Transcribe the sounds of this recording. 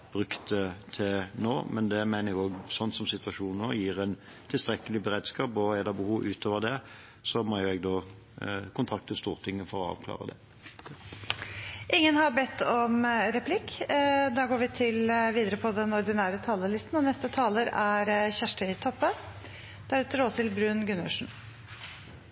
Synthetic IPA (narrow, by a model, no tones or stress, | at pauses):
b̥ʁʉkt̪ət̪ʰɪnoːmɛnd̪ɛmæɪnəɾɪɡoːɡsɔnːsɔmsɪt̪ʋɑʃuːnnoːjiːʁæɪn | t̪ʰɪlst̪ɾɛkːəlɪbəɾeːd̪skɑːpɔɛlːəɾbəhuːʋʔʉ̰ːt̪ʰoːʋəʁd̪ɛ | sɔmɔjʊɛɡd̪oː | kʰʊnt̪ʰʁɑk̚t̪əst̪uːʁt̪ʰɪŋːəfɔɾɔɑ̰ːʋkʰlɑ̰ːʁə̰d̪ɛ̰ | ʔɪŋːənhɑɾbɛt̪ːɔmɾɛpʰlɪkːd̪ɑːɡoːɾʋɪt̪ʰɪlʋiːd̪əɾəpʰɔd̪ɛnɔɾd̪ɪnæːɾət̪ʰɑːləlɪst̪n̩ɔnɛst̪ət̪ʰɑːləɾæɾçæʂʈəɪt̪ʰɔpːə | d̪̥ɛæɾɛt̪ːəɾoːsɪlbɾʉːnɡʉnə̰ʂn̩